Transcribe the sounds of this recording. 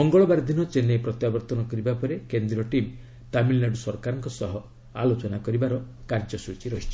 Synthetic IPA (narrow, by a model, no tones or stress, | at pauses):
mɔŋɡɔɭɔbaɾd̪ʱinɔt͡ʃenepɾɔt̪jabɔɾt̪ɔnɔkɔɾibapɔɾekend̪ɾiɔʈim | t̪amilːaɖsɔɾkaɾɔŋkɔsɔɦɔ | a̰lot͡ʃɔnakɔɾibaɾɔ | kaɾd͡ʒɔsut͡ʃiɾɔɦit͡ʃʰi̥